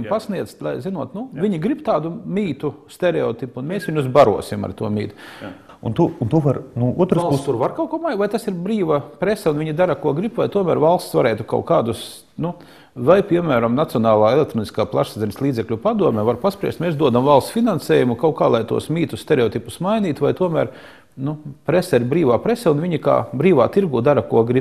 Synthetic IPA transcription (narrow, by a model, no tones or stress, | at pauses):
mpasniɛt̪st̪lˠajzinuɔt̪nuvʲiɲiɡɾibt̪aːd̪umʲiːt̪ust̪eɾɛɔt̪ipunmeːsʋiɲʲuzbaɾṵɔsima̰ɾt̪uɔmʲḭːt̪u̥ | ṵnt̪uunt̪uʋaɾnuuɔt̪ɾasut̪uːɾvaɾkawkuɔmajvajt̪asiɾbɾiːʋapɾesɛunviɲid̪aɾakuɔɡɾibvajt̪uɔmæ̰ːɾvalˠst̪sʋaɾɛːt̪uka̰ʊkaːd̪us | nu | vajpʲiɛmæːɾamnat̪siɔnaːlˠaːɛlʲˠekt̪ɾɔːni̥skaːplˠaʃsazʲɛnʲslˠiːd̪zɛklʲupad̪uɔmʲɛːvaɾpaspɾiɛ̰st̪meːsd̪uɔd̪amvalˠst̪sfinansɛːjumukawkaːlˠajt̪ṵɔsmʲiːt̪ust̪eɾeɔt̪ipusmajnʲiːt̪vajt̪uɔmæːɾ | nupɾesɛiɾbɾiːʋaːpɾesɛunvʲiɲika̰ːbɾiːʋaːt̪iɾɡuːd̪aɾɐkuɔɡɾip